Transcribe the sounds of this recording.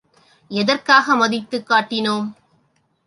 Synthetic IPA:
ɛðɐrkaːɣɐmɐðɪt̪ːɯkːaːʈːɪnoːm

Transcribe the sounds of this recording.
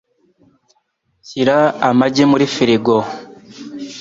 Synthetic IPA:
ciɾaamaɟemuɾifiɾiɡo

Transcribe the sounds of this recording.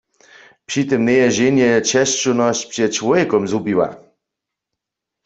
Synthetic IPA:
pʂit̪ɨmnɛjɛʑenjɛɛt͡ɕɛʃt͡ʃunɔɕt͡ɕpʂɛt̚t͡ɕwɔjɛkɔmzubiwa̰

